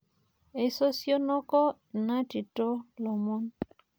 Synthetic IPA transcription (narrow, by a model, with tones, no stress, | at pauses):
e˨so˦sjo˦nɔ˦kɔ˦ | na˦ti˨to˦lɔ˨mɔ˦n